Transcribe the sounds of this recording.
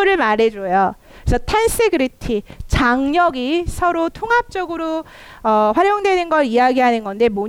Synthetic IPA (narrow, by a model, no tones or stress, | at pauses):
ɾɯɭmaɾe̞d͡ʑojo | ɾesʰʌtʰans͈eɡɯɾitʰit͡ɕaŋɲʌɡisʰʌɾotʰoŋɦap̚t͡ɕ͈ʌɡɯɾo | ʌɸwaɾjoŋdwe̞nɯnɡʌɾijaɡiɦanɯnɡʌnde̞mo